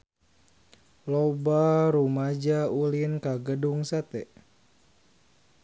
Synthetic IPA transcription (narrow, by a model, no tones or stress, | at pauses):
lobaɾumad͡ʒaulinkaɡəduŋsat̪ɛʔ